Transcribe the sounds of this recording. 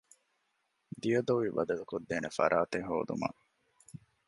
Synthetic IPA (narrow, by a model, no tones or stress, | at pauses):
d̪ijɐd̪oʋibɐd̪ɐlukod̪ːeːnefɐ̰ɾʔaːt̪eɦo̰ːd̪ṵmɐ̰